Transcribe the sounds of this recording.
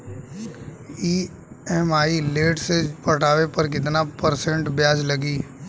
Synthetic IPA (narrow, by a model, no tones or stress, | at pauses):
iː | ɛmaːileːʈsepɐʈaːʋepɐɾk̬ɪt̪napəɾsɛ̃ɳʈbjaːd͡ʒlɐɡiː